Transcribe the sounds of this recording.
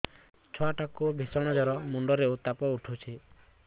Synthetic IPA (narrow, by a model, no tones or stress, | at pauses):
t͡ʃʰɔaʈakubʱisɔɽ̃ɔd͡ʒɔɾɔmuɳɖɔɾeot̪apɔuʈʰut͡ʃʰi